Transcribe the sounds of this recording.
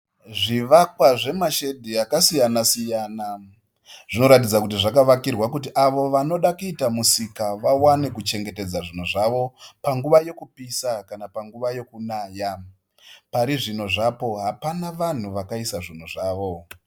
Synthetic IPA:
ʐiʋakwaʐe̞maʃedʱiakasijanasijaːna | ʐ̥ino̞ɾat̬id͡zakutiʐakaʋakirwak̬utiʔaʋo̞ʋano̞ɗakuitamusikaʋawane̞kut͡ʃe̞ŋɡe̞te̞d͡zaʐin̤uʐaʋo̞paŋɡuʋaje̞kupisakanapaŋɡuʋaje̞kunaːja | paɾiʐino̞ʐapo̞ɦapanaʋan̤uʋakaisaʐin̤uʐaːʋo̞

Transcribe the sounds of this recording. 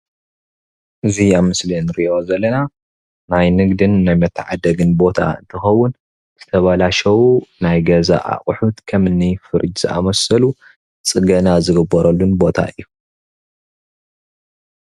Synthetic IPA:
ʔɨziaβmɨslinɨɾiʔo̞zɐlːɐna | najnɨɡd̪ɨnːajmɐt̪ʰːɨʕa̰d̪ɐɡɨnbo̞t̪ʰa̰ɨ̰nt̪ʰɨxɐwːʊn | z̥ɨt̪ʰɐβalaʃɐwunajɡɐza̰ʔa̰χʼħut̪kʰɐmɨnːifɨɾɨd͡ʒz̥ɨʔa̰mɐsɐlu | t͡sʼɨɡɐnazɨɡɨbɐɾɐlːunbo̞t̪ʰa̰ʔɨ̰jːu

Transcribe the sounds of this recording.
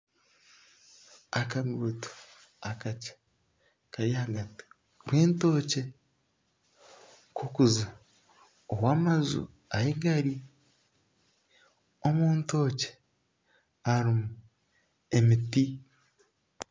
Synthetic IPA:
akaɡuto̥ | akacḁ | kaɾjahaɡati̥ | kweːnto̞ːce | kʰokuza | owaːmazṵ | ajeɡaɾi | omuːnto̞ːce̥ | aɾimu | emiti

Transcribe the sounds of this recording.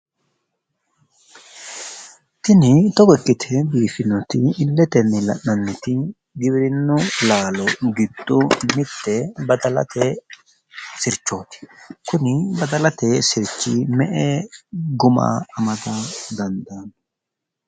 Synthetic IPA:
t̪ɪnɪt̪ɔkɛkʼːɪt̪ʰɛbiːfɪnɔt̪ɪːlːɛt̪ɛnːɪlɐ̰nːɐnːɪt̪ɪ | ɡɪbɪɾɪnːʊlaːlɔɡɪd̪ʼːʊmɪt̪ːɛbɐd̪ɐlɐ̰t̪ɛ | sɪɾt͡ʃːo̞ːt̪ɪ̥kʊnɪbɐd̪ɐlɐt̪esɪɾt͡ʃːiːmɛʔɛɡʊma̰ːmɐd̪ɐd̪ɐnd̪aːn

